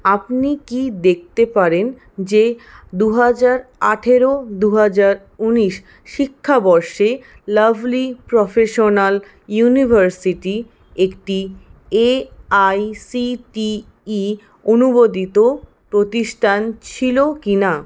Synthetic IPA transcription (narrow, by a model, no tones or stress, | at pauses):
apnikid̪ek̚ʰt̪epaɾen | d͡ʑed̪uɦad͡ʑaɾaʈʰeɾod̪uɦad͡ʑaɾ | uniʃ | ʃikʰːabɔɾʃe | labʱlipɾɔfeʃonal | junibʱaɾsiʈi | ekʈieajsiʈiː | onubod̪it̪o | pɾot̪iʃʈʰant͡ɕʰilokina